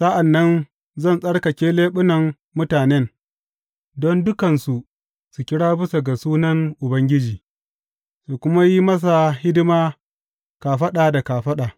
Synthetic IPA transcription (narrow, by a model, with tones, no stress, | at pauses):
sa˦ʔa˨nːɐ˦n | zɐ˦˨nsʼɐ˦ɽkɐ˨kʲeː˦leː˦ɓʊ˦nɐ˨mː | ʊ˦taː˨nɛ˦n | dɔ˦ndʊ˦kɐ˨nsu˨ | su˨kʲɪ˦ɽaː˦bɪ˦sa˨ɡa˨suː˦nɐ˦ŋʔʊ˨bɐ˦ŋɡʲɪ˦d͡ʒiː˨ | su˨kʷʊ˦ma˦ji˦mɐ˦s̬a˨hɪ˦dɪ˦maː˦ | kaː˨ɸɐ˦ɗaː˨da˨kaː˨ɸɐ˦ɗaː˨